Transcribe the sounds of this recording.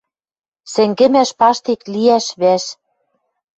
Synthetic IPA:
sɘ̆ŋɡɘ̆mæʃpɑʃt̪ikliæʃβæʃ

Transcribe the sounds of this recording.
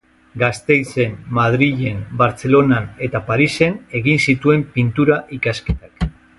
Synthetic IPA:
ɡast̪e̞jse̞nmaðɾiʝe̞nbaɾt͡se̞lo̞nane̞t̪apaɾise̞ne̞ɣinsit̪ue̞mpint̪uɾaʔikaske̞t̪ak

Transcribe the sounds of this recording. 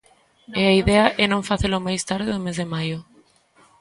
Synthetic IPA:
ɛaiðɛaʔɛnõŋfaθelʊmajst̪aɾðeðʊmezðemajʊ

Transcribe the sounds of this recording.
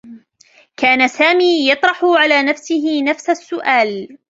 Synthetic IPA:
kaːnasaːmiːjɑt̪ˤɾˤɑħʊʕalaːnafsɪɦɪnafsasːʊʔaːl

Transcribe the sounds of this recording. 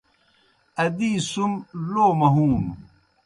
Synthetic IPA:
ɐd̪iːsumloːmɐɦuːn

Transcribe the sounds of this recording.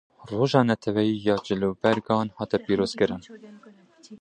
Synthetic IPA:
roːʒɑːnɛt̪ʰɛwɛjiːjɑːd͡ʒɨluːbɛɾɡɑːnhɑːt̪ɛpiːɾoːz̥kɨɾɨn

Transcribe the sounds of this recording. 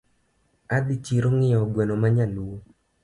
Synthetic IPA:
ad̪it͡ʃiɾoŋɪɔɡwɛnomaɲalu

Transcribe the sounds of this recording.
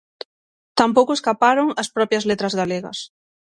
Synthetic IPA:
t̪ampowkʊeskapaɾoŋɐspɾɔpjɐzlet̪ɾɐzɣaleɣɐ̰s

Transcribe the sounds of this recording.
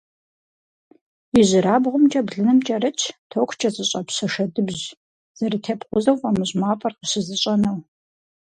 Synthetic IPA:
jɪʑɪɾaːbʁʷʊmt͡ʃʼɐbɮɨnɨmt͡ʃʼɐrɨt͡ʃʰtʰoːkʷʰt͡ʃʼɐzʼɨɕʼɐpɕɐʃɐdɨbʑ | z̥ɐrɨtʰeːpqʷʊzɐwfaːmɨʑmaːpʼɐrqəɕɪzɨɕʼɐnɐw

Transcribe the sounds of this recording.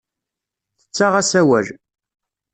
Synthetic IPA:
θə̥t͡sːaʁæsæwæ̰l

